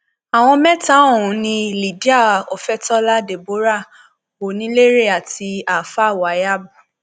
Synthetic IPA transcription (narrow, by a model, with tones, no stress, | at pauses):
a˨w̃ɔ̃˧mɛ̃˦ta˦o˦˨ũ˨˦nĩ˧li˨di˦a˦˨o˨fɛ˦tɔ˦la˦de˨bo˨˦ɾa˦˨ | o˨nĩ˨˦le˦ɾe˦˨a˨ti˧a˨fa˦˨wa˨˦ja˦bu˦˨